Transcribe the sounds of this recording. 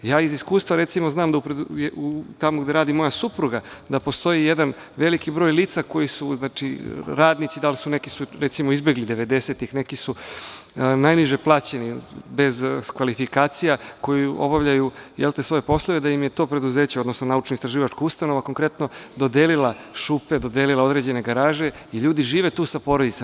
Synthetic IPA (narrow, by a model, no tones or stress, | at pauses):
jaːiziskuːst̪ʋaɾet̪simoznaːmd̪aupɾejeut̪amoɡd̪eɾaːd̪imo̞jasupɾuɡad̪apo̞st̪o̞jijed̪an | ʋe̞likibɾo̞ːjliːt̪sako̞jisuznaːt͡ʃiɾaːd̪nit̪sid̪alsunekisuɾet̪simoizbeɡlid̪eʋe̞d̪eseːt̪ixne̞kisu | najniʒeplˠaːt͡ɕe̞nibe̞zkʋalifikaːt̪sijako̞jio̞̰baʋʎajujelˠt̪esʋo̞jepo̞slˠoʋed̪ajimjet̪o̞ːpɾe̞d̪uzeːt͡ɕeo̞d̪nosnonaut͡ʃnoist̪ɾaʒiːʋat͡ʃkaust̪ano̞ʋako̞ŋkɾe̞t̪nod̪o̞d̪elilˠaʃuped̪o̞d̪elilao̞d̪ɾe̞ːd͡ʑe̞neɡaɾaːʒe̞ | iʎuːd̪iʒiːʋet̪uːsapo̞ɾod̪it̪e